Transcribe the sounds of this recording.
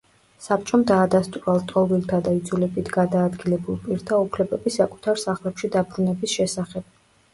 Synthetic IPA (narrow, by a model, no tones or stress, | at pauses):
sap̚ʰt͡ʃʼɔmd̪aːd̪ast̪ʼuɾalˠt̪ʼɔvilˠt̪ʰad̪aid̪zulɛbit̪ʰɡad̪aːd̪ɡilɛbulˠpʼiɾt̪ʰaupʰlɛbɛbisakʼu̥t̪ʰaɾsaχlɛpʃid̪abɾunɛbisʃɛsaχɛb̥